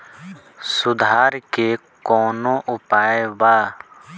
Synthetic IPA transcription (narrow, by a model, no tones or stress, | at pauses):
sʊd̪ʱaːɾke | kɔːnõːʔʊpaːebaː